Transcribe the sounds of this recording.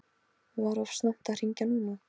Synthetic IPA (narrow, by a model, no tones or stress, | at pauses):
vaɾɔfsnawht̪ar̥iɲcanuma